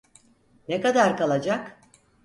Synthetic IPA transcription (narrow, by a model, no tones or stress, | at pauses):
nekad̪aɾkalˠad͡ʒak